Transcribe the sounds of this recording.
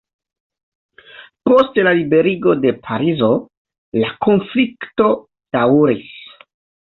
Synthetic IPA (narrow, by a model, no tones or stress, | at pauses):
po̞stlalibe̞ɾiɡo̞de̞pʰaɾizo̞ | lako̞nflikto̞ | d̥awɾis